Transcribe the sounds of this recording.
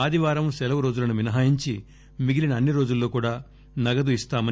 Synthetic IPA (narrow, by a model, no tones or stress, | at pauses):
aːd̪iʋaːɾɐmsɛlɐʋɐɾo̞ːd͡ʒulɐnuʋinɐɦaːjiɲt͡ʃi | miɡilinɐnːiɾo̞ːd͡ʒulːo̞ːkuːɽaː | nɐɡɐd̪uist̪aːmɐn